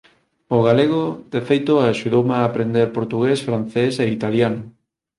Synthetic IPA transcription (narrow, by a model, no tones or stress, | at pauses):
oɣaleɣ̞od̪efejt̪oaaʃuðowmaːpɾend̪eɾpoɾt̪uɣesfɾan̟θeseit̪aljanʊ